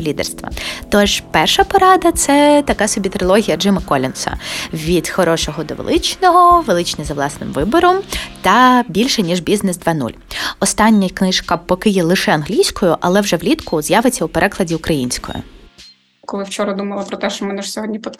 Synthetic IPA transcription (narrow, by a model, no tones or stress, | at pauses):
lʲid̪ɛ̰rst̪ʋɐ̰t̪ɔʒpɛrʃɐpɔɾɑd̪ɐt̪sɛt̪ɐkɑsɔbʲit̪ɾɪlˠɔɦʲijɐd͡ʒɪmɐkɔlʲɪnsɐ̰ʋʲid̪̥xɔɾɔʃɔɦɔd̪ɔ̰ʋḛlˠɪt͡ʃnɔɦɔʋelˠɪt͡ʃnʲizɐʋlˠɑsnɪ̰mʋɪbɔɾɔmt̪ɐbʲilʲʃɛnʲiʒbʲiznɛzd̪ʋɑnṵlʲɔst̪ɑnʲːɐknɪʃkɐpɔkɪjɛlˠɪʃɛɐnɦlʲijsʲkɔjʊʔɐlˠɛwʒɛʋlʲit̪kʊzjɑʋɪt͡sʲːɐupeɾʔɛklˠɐdʲiʊkɾɐjinʲsʲkɔ̰jʊ̰ | kɔlˠɪwt͡ʃɔɾɐd̪umɐlˠɐpɾɔt̪ɛʃt͡ʃɔmɛnɛʃsʲɔɦɔdʲnʲipɔ